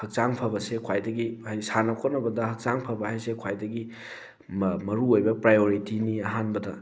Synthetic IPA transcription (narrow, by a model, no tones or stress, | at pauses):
hɐk̚t͡ʃaŋpʰɐbɐsekʰwajdɐɡihajsanɐkʰotnːɐbɐdɐhɐk̚t͡ʃaŋpʰɐbɐɦajsekʰwajdɐɡi | mmɐɾuojbɐpɾajoɾitiniɐɦanbɐdɐ